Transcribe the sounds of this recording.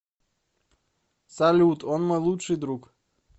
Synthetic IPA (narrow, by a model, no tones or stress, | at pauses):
salʲut̪onmɔjlˠutʂid̪ɾuk